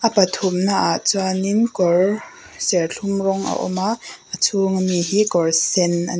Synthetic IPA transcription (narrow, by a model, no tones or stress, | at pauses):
ʔɐpɐt̪ʰumnaʔaʔt͡swaninkɔr | sɛrɬʰʊmrɔŋʔa̰ʔɔ̰maʔət͡sʰuŋamiɦikɔrsɛnʔa